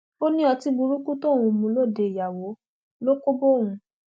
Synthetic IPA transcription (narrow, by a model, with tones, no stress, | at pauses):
o˦nĩ˦ɔ˧ti˨˦bũ˧ɾu˦ku˦to˦˨ɾ̃ũ˧mũ˧˦lo˦˨de˨ja˨wo˨˦ | lo˦ko˦bo˦˨w̃ũ˧